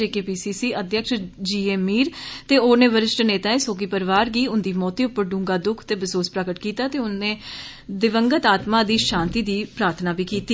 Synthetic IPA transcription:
eːkeːpiːsiːsiːʔəd̪ʱjəkʃd͡ʒiːeːmiːɾt̪eːoːnẽːʋəɾɪʃʈneːt̪aːẽːsoːkiːpəɾʋaːɾɡiːʊnd̪iːmɔːt̪iːʊpːəɾɖũːŋɡaːd̪ʊkʰt̪eːbəsoːspɾəkəʈkiːt̪aːt̪eːʊnnẽː | d̪ɪʋəŋɡət̪aːt̪maːd̪iːʃaːnt̪iːd̪iːpɾaːɾt̪ʰnaːbiːkiːt̪iː

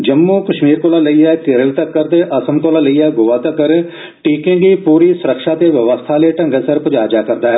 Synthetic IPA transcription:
d͡ʒəmːuːkəʃmiːɾkoːlaːləiːɛːt̪ɪɾəlt̪əkːəɾt̪eːʔəsəmkoːlaːləiːɛːɡʊːʋaːt̪əkːəɾ | ʈiːkẽŋɡiːpuːɾiːsʊɾəkʃaːt̪eːʋəʋəst̪ʰaːleːʈə̃ŋɡəsəɾpəd͡ʒaːd͡ʒaːkəɾd̪aːɦɛː

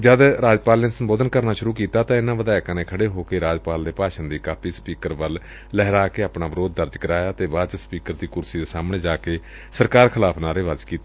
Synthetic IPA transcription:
d͡ʒəd̪ɾaːd͡ʒpaːlneːsəmboːd̪ənkəɾnaːʃʊɾuːkiːt̪aːt̪ãːɪnãːʋəd̪aːɪkaːneːkʰəɽeːɦoːkeːɾaːd͡ʒpaːld̪eːpaːʃənd̪iːkaːpʰiːspiːkəɾʋəl | lɛɦɾaːkeːaːpnaːʋɪɾoːd̪̚ːəɾd͡ʒkəɾaːjaːt̪eːbaːt͡ʃəspiːkəɾd̪iːkʊɾsiːd̪eːsaːmɳeːd͡ʒaːkeː | səɾkaːɾkʰɪlaːpʰnaːɾeːʋazkiːt̪e

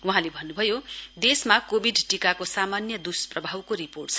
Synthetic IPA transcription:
uɦãlebʱʌnːubʱʌjod̪esmakobʱiɖʈikakosamanjʌd̪usprʌbʱawkoɾiporʈ̚t͡sʰʌ

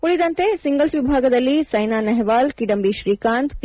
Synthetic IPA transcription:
uɭid̪ɐnt̪esiŋɡɐlsʋibʱaːɡɐd̪ɐlːit͡ʃɐjnaːnɐɦɛʋaːlkiɖɐmbiʃɾiːkaːnt̪p

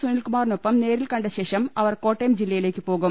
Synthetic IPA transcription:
sunilkumaːrinopːɐmne̞ːɾilkɐɳɖɐɕe̞ːʂɐmɐʋɐrko̞ːʈːejɐmd͡ʑilːɐjile̞ːkʲːɨpo̞ːɣum

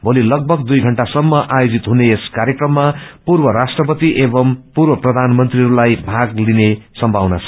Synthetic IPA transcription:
bʱolilʌɡ̚bʱʌɡd̪ujɡʱʌɳʈasʌmːʌʔajod͡zit̪ɦuneːskaɾjekrʌmːapurbʌɾasʈrʌpʌt̪iʔebʌmpurwʌprʌd̪ʱanmʌnt̪riɦʌɾulajbʱaɡlinesʌmbʱawnʌt͡sʰʌ

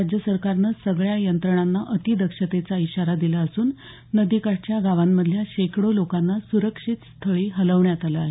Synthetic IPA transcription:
ad͡ʑjəsəɾkaɾnəsəɡɭjajənt̪ɾəɳ̃anːaʔət̪id̪əkʂət̪et͡saiɕaɾad̪ilaəsuːnː | əd̪ikaʈt͡ɕjaɡaʋamːəd̪ʱjaɕekɽolokanːasuɾəkʂiːt̪st̪ʰəɭiːɦələʋɳjat̪aləaɦe

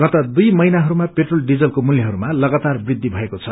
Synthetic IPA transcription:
ɡ̥ʌt̪ʌd̪ujmʌjnaɦʌɾumapeʈrolɖid͡zʌlkomuljʌɦʌɾumalʌɡat̪arbrid̪ʱːibʱʌekot͡sʰʌ

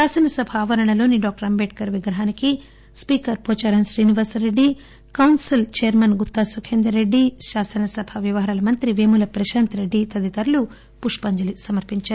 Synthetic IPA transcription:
ʃaːsɐnɐsɐbʱɐaːʋɐɾɐɳɐlo̞ːniɖaːk̚ʈɐɾɐmbeːʈ̚kɐɾʋiɡɾɐɦaːniki | spiːkɐɾpoːt͡ʃaːɾɐnʃɾiːniʋaːsɾeɖːi | kɐwnsilt͡ʃɛjɐɾmɐnɡut̪ːaːsukʰeːnd̪ɾɐɾeɖːiʃaːsɐnɐsɐbʱɐʋjiʋɐɦɐɾɐlɐmɐnt̪ɾiʋeːmulɐpɾɐʃaːnt̪ɾeɖːit̪ɐd̪it̪ɐɾɐlu | puʂpɐɲd͡ʒɐlisɐmɐɾpiɲt͡ʃaːɾu

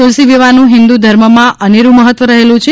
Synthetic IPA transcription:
olsiʋiʋanũɦɪnd̪ud̪ʱəɾməmãʔəneɾũməɦət̪ʋəɾəɦelũt͡ʃʰe

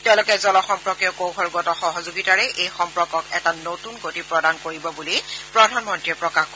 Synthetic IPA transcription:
tɛʊ̃lʊkɛzɔlɔxɔmpɹɔkjɔkowɦʰɔɹɡɔtɔxɔɦɔzoɡitaɹɛʔejxɔmpɹɔkɔkɛtanotunɡotipɹɔdankoɹibɔbulipɹɔdʱanmɔntɹiɛpɹɔkax

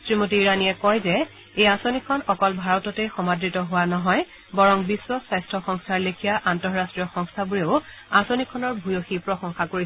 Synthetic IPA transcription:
sɹimotiːɹanijɛkɔjzɛ | ejasonikʰɔnɔkɔlbʱaɹɔtɔtexɔmadɹitɔɦʊwanɔɦɔj | bɔɹɔŋbisːɔsajstʰɔxɔŋstʰaɹlekʰijaʔantɔɹɹastɹijɔxɔŋstʰabuɹeʊ | asonikʰɔnɔɹbʱujoxipɹɔsɔŋxakoɹi

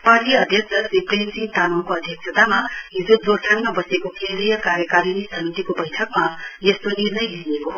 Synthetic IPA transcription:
paʈiʌd̪ʱjʌksʰʌsiprensint̪anʌwkoʌd̪ʱjʌksʰʌt̪amaɦid͡zod͡zoɾʈʰaŋmabʌsekokeɾijʌkaɾjʌkaɾinisʌmit̪ikobʌjʈʰʌkmajʌst̪onirnʌjɦiɾekoɦ

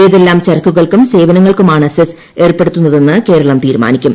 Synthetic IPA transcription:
ejðe̞lːaːmt͡ɕɐrɐkːuɣɐɭkumse̞ːʋɐnɐŋːɐɭkumaːɳɐses | e̞ːrpːe̞ɽut̪ːunːɐðe̞nːɨke̞ːɾɐɭɐmt̪iːɾuma̰ːnikʲːum

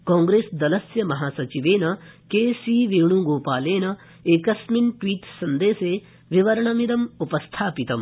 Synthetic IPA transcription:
kɔ̃ːŋɡɾeːsd̪ɐlɐsjɐmɐɦaːsɐt͡ʃiʋeːnɐkeːsiːʋiɾɳ̃ũːɡoːpaːleːnɐ | eːkɐsminʈwiːʈsɐnd̪eːseː | ʋiʋɐɾɐɳɐmiɾɐmupɐst̪ʰaːpit̪ɐm

